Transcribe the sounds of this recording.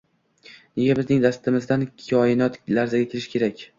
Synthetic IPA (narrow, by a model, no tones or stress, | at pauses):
ne̞ɡʲabɪznɪŋd̪ast̪ʰɪmɪzd̪ankʲʰɒjɪnɒt̪laɾzaɡʲakʲʰeɾɪʃkʲʰe̞ɾakʲ